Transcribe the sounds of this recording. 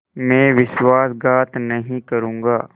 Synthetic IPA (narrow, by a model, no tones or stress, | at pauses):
mẽːʋɪʃwaːsɡaːt̪nɐɦĩkɐɾũːŋɡaː